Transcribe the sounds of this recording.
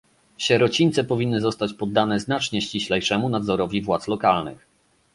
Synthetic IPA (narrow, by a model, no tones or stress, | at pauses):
ɕɛɾɔt͡ɕiɲʲt̪sɛpɔvʲinːɘzɔst̪at͡ɕpɔd̪ːanɛznat͡ʂɲɛɕt͡ɕiɕlɛjʂɛmunad̪zɔɾɔvʲivwat̪slɔkalnɘ̰x